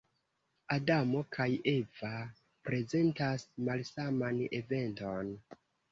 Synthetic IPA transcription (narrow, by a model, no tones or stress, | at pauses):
adamo̞kʰaje̞va | pɾe̞ze̞ntasmalsamane̞̰ve̞nto̞n